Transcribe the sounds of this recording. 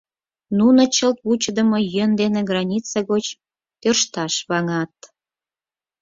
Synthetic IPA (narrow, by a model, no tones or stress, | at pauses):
nunŏt͡ɕəlt̪̚βut͡ɕəd̪əmojønd̪enĕɡrɑnʲit͡sɑɣot͡ɕ | t̪ørʃt̪ɑʃβɑŋɑt̪